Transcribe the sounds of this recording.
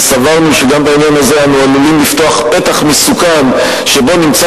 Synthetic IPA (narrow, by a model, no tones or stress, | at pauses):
savaʁnuʃeɡambainjanazeanualulimlift̪o̞aχpe̞t̪aχmesukam | ʃe̞bo̞nimt͡sa